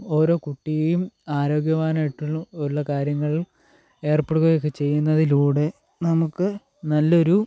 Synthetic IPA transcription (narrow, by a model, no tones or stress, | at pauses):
o̞ːɾo̞ːkuʈːijejumaːɾo̞ːɡjɐʋaːnaːjiʈːuɭːɐuuɭːɐkaːɾjɐŋːɐɭil | e̞ːrpoːɽuɣɐɣjokːet͡ɕe̞jːunːɐðiluːɽe̞ | nɐmukːɨ | nɐlːɐo̞ɾu